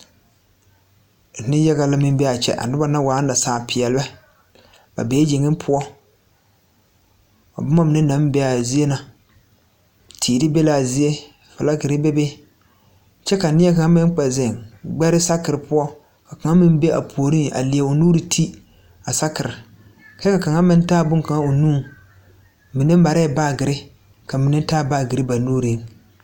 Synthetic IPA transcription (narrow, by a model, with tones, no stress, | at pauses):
nɪ˦jɛ˦ɣa˦la˦mɪ˦m˦bɛ˦a˨t͡ʃɛ̰˦ʔa̰˨nʊ˦ba˦na˦waː˨˦na˨saː˨pɪ˨ɛ˨lɪ˦bɛ˦ | ba̰˨be˨˦d͡ʒɪ˨ŋɪ˦pʰʊ˦ɔ˦ | a̰˨bʊ˦ma˦m˨nɪ˦na˦m˦bɛ˦a˨zi˦e˦na˨ | tʰiː˨di˦be˦la˨zi˦e˦ | fa˨la˦kɪ˨ɾɪ˦be˦be˦ | t͡ʃɛ˦ka˨nɪ˦ɛ˦ka˨ŋa˦mɪ˦n˦k͡pɛ˨zɪ˨ŋɡ͡bɛ˦ɾɪ˦sa˦kɪ˨ɾɨ˨pʊ˦ɔ˦ | ka˨ka˨ŋa˦mɪ˦n˦be˦ʔa̰˨pʰoː˨ɾi˦ʔa̰˨li˨a˨o˨nuː˦ɾi˨tʰi˦ | a˨sa˦kɪ˨ɾɪ˨ | ka˦ka˨ka˨ŋa˦mɪ˦n˦taː˦bʊ˦ŋka˨ŋa˦o˨nuː˦˨ | mɪ˨nɪ˦m˦ba˨ɾa˦˨ba˦˨ɡɪ˨ɾɪ˦ | ka˨mɪ˨nɪ˦taː˦˨baː˦˨ɡɪ˨ɾɪ˦ba˨nuː˦ɾi˨˦